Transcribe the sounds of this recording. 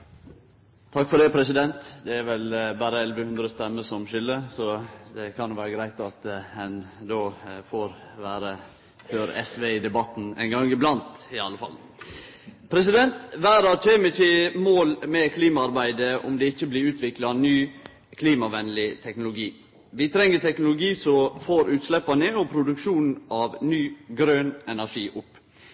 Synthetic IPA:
t̪ʰɑkːfɔɖ̪ɛpʰɾɛsɪd̪ɛnt̪d̪ɛæɾʋɛlbæːɾəɛlʋəhʉnd̪ɾəst̪ɛmːəsɔmʃʏlːəsɔd̪ɛkʰɑnjʊʋæːɾəɡɾæɪt̪ɑt̪hɛnd̪oːfoɾʋæːɾə | føːɾɛ̰sʋeɪd̪ɛbɑt̪ːn̩æ̰ɪnɡɑŋːɪblɑnt̪ɪɑlːəfɑ̰l | pʰɾɛsɪd̪ɛnt̪ʋæːɾɑtʰeːməɪçɪmoːlmɛkʰliːmɑɑɾbæɪd̪əʊ̰md̪ɛɪçːəblɪɾʉːt̪ʋɪklɑnyː | kʰliːmɑʋɛnlɪt̪ʰɛknʊlʊɡiː | ʋɪt̪ʰɾɛŋːət̪ʰɛknʊlʊɡiːsɔfoːɾʉːt̪slɛpːɑnəɔpʰɾʊd̪ʉkʂuːnn̩ɑʋnyːɡɾøːnɛnæʂiːʔʊpː

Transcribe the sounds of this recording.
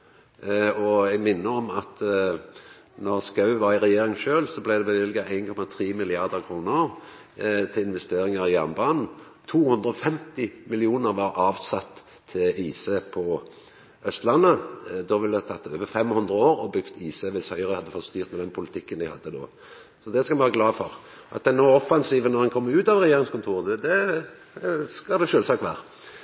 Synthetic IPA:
ɔɛɡmɪnːəɔmɑt̪ | nɔʁskɑʉʋɑɾɪʁɛjeːɾɪŋʃøːlsɔblæɪd̪ɛbəʋɪlɡɑæɪnkʰɔmɑt̪ʰɾiːmɪlɪɑʁd̪əʁkʰɾuːnəɾ | t̪ʰɪlɪnʋɛst̪eːɾɪŋɑʁɪjæʁnbɑːnn̩ | t̪ʰuːhɵnd̪ɾəɔfɛmt̪ɪmɪlɪuːnəɾʋɑɾʔɑːʋsɑt̪ʰː | ɪliːsəpʰɔ | œst̪lɑnːəd̪ɔʋɪld̪t̪ʰɑt̪ːøːʋəfɛmhʉnd̪ʁəoːʁɔbʏkt̪iːsəʋɪshœʏʁəhɑd̪ːəfɔt̪ːst̪yːʁt̪mɛd̪ɛnpʰʊlɪt̪ʰɪkːənd̪ɪhɑ̰d̪ːəd̪o̰ː | sɔd̪ɛskɑlʋɑːʁəɡlɑːfɔʁ | ʔɑ̰t̪̚d̪ɛnoːɔfɑnsiːʋənɔʁhɛnkʰɔmːəʉːt̪ɑʋʁɛjeːɾɪŋskʊnt̪ʰuːʁd̪ɛd̪ɛ | skɑld̪ɛʃøːlsɑːkʋæ̰ːʁə

